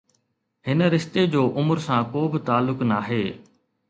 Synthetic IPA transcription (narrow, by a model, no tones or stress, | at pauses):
ɦɪnəɾɪʃt̪ed͡ʑoːʔʊməɾsãːkoːbɪt̪aːlːʊknaːɦeː